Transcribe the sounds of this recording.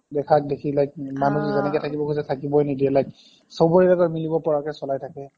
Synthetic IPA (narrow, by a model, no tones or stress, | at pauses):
dɛkʰak̚dekʰilajk̚manuzzɛnɛkɛjtʰakibɔkʰusɛtʰakibɔjnidiɛlajk | sowbɔɹidatɔɹmilibɔpɔɹakɛsɔlajtʰakɛ